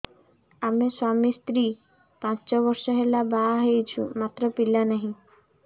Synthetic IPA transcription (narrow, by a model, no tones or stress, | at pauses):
amiswamist̪ɾi | pãt͡ɕɔβɔɾʃɔɦelabaɦejt͡ɕʰṵmat̪ːɾɔpilanaɦĩ